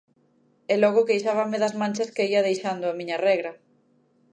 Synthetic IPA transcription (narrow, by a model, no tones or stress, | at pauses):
ɛlɔɣʊkejʃaβɐmɪðɐzmãnʲt͡ʃɐskeiɐðejʃand̪ʊamiɲɐrɛɣɾɐ